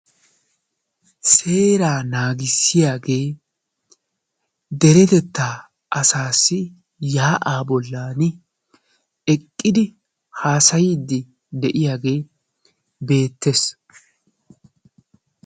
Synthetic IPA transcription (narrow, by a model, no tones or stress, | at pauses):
se̞ːɾaːnaːɡɪsːɪjaːɡe̞ː | d̪ɛɾɛt̪ɛt̪ːaː | ʔɐsaːsːɪ | jaːʔaːbɔlːaːnɪ | ɛkʼːɪd̪ɪ | haːsɐjɪd̪ːɪ | d̪ɛʔɪjaːɡe̞ː | be̞ːt̪ːes